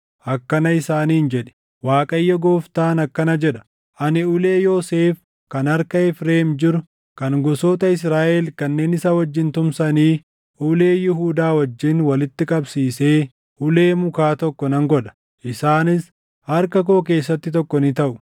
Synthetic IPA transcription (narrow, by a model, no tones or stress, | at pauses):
ʔɐkːɐnɐɪsaːniːnd͡ʒɛᶑɛ̥ | waːkʼɐjːɐɡoːft̪aːnɐkːɐnɐd͡ʒɛᶑɐ̥ | ʔɐnɪʊleːjoːseːf | kɐnɐɾkɐɛfɾeːmd͡ʒɪɾʊ | kɐnɡɔsoːt̪ɐɪs̬ɾaːʔɛlkɐnːe̞ːnɪsawɐd͡ʒːɪnt̪ʊmsɐniː | ʊleːjɪɦuːd̪aːwɐd͡ʒːɪnwɐlɪt̪ːɪkʼɐbsiːse̞ː | ʔʊle̞ːmʊkaːt̪ɔkːɔnɐŋɡɔᶑɐ̥ | ʔɪsaːnɪs | hɐɾkɐk̬o̞ːke̞ːsːɐt̪ːɪt̪ɔkːɔnɪt̪ɐʔʊ